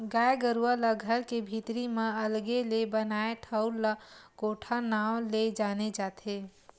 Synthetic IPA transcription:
ɡaːeɡəɾuələɡʱəɾkebʱit̪ɾimẽəlɡelebənaːeʈʰəʊlakoːʈʰanaːwled͡ʒaːned͡ʒaːt̪ʰe

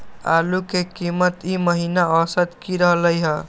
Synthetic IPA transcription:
a̰lukekimət̪iməɦinaəsəd̪kiɾəɦləjɦə̃

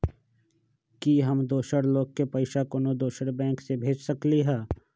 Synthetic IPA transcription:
kiɦɐmd̪oːʃəɽloːɡ̚kepɐɪʃakonod̪oːʃəɽbɛ̃ːŋksebʱeːd͡ʒsɐkliɦɛ̃ː

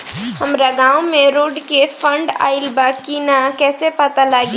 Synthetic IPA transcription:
həmɾəɡãːwmẽɾoːɖkefʰə̃ɳɖa̰ːɪlbakiːnakɛːsepət̪alaɡi

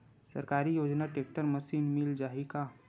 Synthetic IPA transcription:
sə̰ɾkaːɾijoːd͡ʒnaʈek̚ʈəɾməsiːnmild͡ʒaːɦika

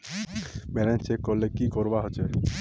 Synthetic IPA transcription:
bɛɾɛ̃nt͡ʃekːɔɾlːekikɔɾbaɦot͡ʃʰe

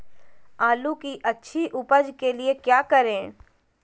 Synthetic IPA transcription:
aːlukiʔɐtːʃʰiʔʊpəd͡ʒkeliekjaːkəɾẽː

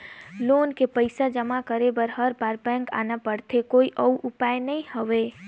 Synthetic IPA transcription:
loːnkepəɪsad͡ʒəmakəɾebəɾɦəɾpaːɾpɛ̃ːŋka̰ːnapəɽt̪ʰekoːiʔəuʔʊpaːjnəĩhəʋe

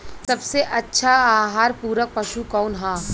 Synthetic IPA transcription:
sɐbseʔɐtːʃʰaaːɦaːɾpuːɾək̚pɐʃukɔːnɦaː

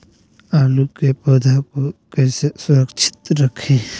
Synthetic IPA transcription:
aːlukepoːd̪ʱakokɛːsesʊɾəkt͡ʃʰɪ̥t̪ɾəkʰẽː

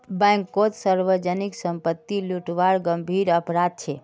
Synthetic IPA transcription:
bɛ̃ŋkːot̪səɾʋəd͡ʒəniksəmpət̪ːiluʈʋaɽɡəmbʱiɾəpɾad̪̚t͡ʃʰe

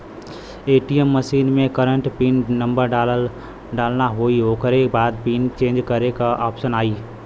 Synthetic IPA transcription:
eːʈijəmːəʃiːnmẽkəɾəɳʈpiːnːə̃mbəɾɖa | ɖaːlnaɦoioːkəɾekbaːd̪̚piːnt͡ʃẽːnd͡ʒkəɾekaʔɔːpʃənaːiː

